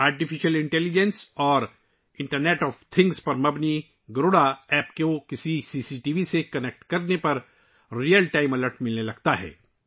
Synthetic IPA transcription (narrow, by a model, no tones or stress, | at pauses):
aːɾʈifɪʃəlɪ̃ɳʈɛːlid͡ʒə̃nsɔːɾ | ɪ̃ɳʈəɾneːʈɔːft̪ʰɪ̃ŋɡspɐɾmɐbni | ɡɾoːɽaɛːpkokɪsisiːsiʈiːʋisekɐnek̚ʈkɐɾnepɐɾ | ɾijəlʈaːɪmɐləɾʈmɪlnelɐɡt̪aɦɛ̰ː